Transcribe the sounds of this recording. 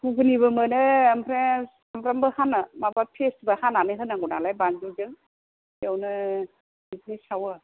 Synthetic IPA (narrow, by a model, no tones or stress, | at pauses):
hukʰɯnibɯmɯnɯːmpʰɾe | ampʰɾambɯhanɯmabapʰesbahananɯɦɯnaŋɡuna̰lajbanzuzɯŋ | jewnɯ | biznisawa